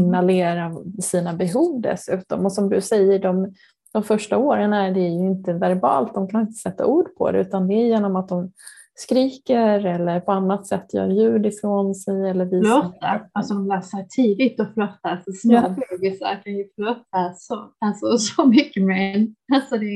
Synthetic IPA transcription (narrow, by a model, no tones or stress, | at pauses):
naleːɾasiːnabɛɦuːvd̪ɛ̰sʉ̟ːt̪ɔmɔsɔmd̪ɵ̰sɛjːəɖɔm | d̪̥ɔmfœʂʈaoːɾənæɖɛæɾjɵɪnt̪əvæɾbɑ̰ːlt̪̚d̪ɔmkʰanɪnt̪ə̥sɛt̪ʰːa̰ʔuːɖpʰɔ̰d̪ɛ̰ʉ̟ːt̪and̪ɛːjeːnɔmat̪̚d̪ɔm | skɾiːkəɾɛlːəɾpʰɔanːat̪sɛt̪ːjœ̰ːɾjʉ̟ːd̪ɪfɾoːnsɛjɛlːəɾviːt̪ːaalsɔd̪ɔmlœːsəʈʰiːd̪ɪt̪ɔflœt̪ːasɔsboɡɪsa̰ɾkʰanjəflœt̪ːasɔalsɔsɔmʏkːəmɛnalsɔd̪ɛ